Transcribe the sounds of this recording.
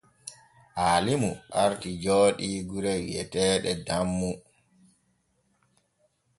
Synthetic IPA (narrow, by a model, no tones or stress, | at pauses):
ʔaːlimuaɾtid͡ʒoːɗiːɡuɾɛjɛ̰tɛːɗɛdamːu